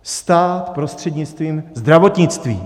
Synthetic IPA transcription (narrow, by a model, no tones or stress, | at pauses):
st̪aːt̪pɾost̪r̝̥ɛd̪ɲɪt͡st̪viːmzd̪ɾavot̪ɲɪt͡st̪viː